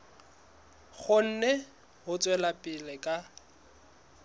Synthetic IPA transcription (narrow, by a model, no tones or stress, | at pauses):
χʊn̩nɛ | ɦʊt͡sʼwɛlapʼɪlɛkʼa